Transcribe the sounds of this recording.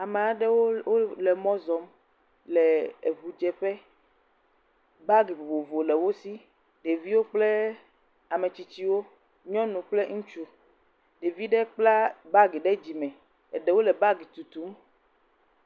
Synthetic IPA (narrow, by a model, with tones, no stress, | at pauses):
a˨me˨a˨ɖɛ˦wo˦wo˦lɛ˨mɔ̃˦zɔ˨˦m | lɛ˨e˨vu˨d͡ʒɛ˦ɸɛ˦ | ba˦ɡe˨bo˨bo˨vo˨lɛ˨wo˦si˦ | ɖe˨vi˦wo˦k͡plɛ˦ | a˨me˨t͡ɕi˨t͡ɕi˦wo˦ | ɲɔ̃˦nũ˨k͡plɛ˦ŋũ˦t͡ʃu˦ | ɖe˨vi˦ɖɛ˦k͡pla˦ba˦ɡe˨ɖɛ˦d͡ʑi˨mɛ̃˨ | ɛ˨ɖɛ˨wo˦lɛ˨ba˦ɡi˨t̪u˨t̪u˦m